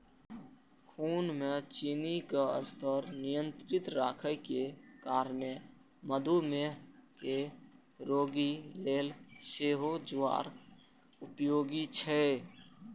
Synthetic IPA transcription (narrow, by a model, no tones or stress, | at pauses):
kʰuːnmet͡ʃinikeə̰st̪ʰəɾnijə̃nt̪ɾɪt̪ɾaːkʰəjkekaːɾme | məd̪ʱumeke | ɾoːɡileːlseɦod͡ʒʊʋa̰ːɾ | upjoːɡit͡ʃʰɛ